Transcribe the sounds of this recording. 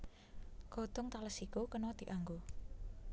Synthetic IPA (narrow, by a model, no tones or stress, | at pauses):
kot̪ʊŋt̪aləsikukənɔd̪̥i̤ʔaŋɡo